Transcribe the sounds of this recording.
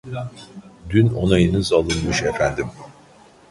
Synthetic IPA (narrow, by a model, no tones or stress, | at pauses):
d̪yno̞najɯnɯzalˠɯnmɯʃefænd̪im